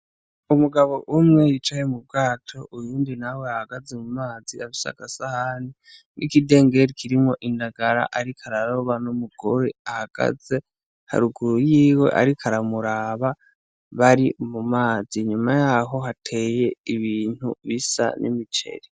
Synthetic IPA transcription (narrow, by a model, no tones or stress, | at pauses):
umuɡaβo̞ʔumŋejit͡ʃajemub̚ɡaːtʰo̞ʔujuːndinaweahaɡazemumaːz̥iaβisa̰ɡasahani | nʔikide̞ːŋɡe̞ɾikʰiɾimo̞ʔindaɡaɾa̰ʔaɾikʰaɾaɾo̞βanomuɡ̥oɾeahaɡ̥a̰ze̞ | ha̰ɾuɡuɾujiːwe̞̰ʔa̰ɾikʰaɾamuɾaːβa | βaɾimumaːz̥iɲumajaɦo̞ɦatʰe̞ːje̞iβiːn̥hṵβisa̰nʔḭmit͡ʃe̞̰ɾi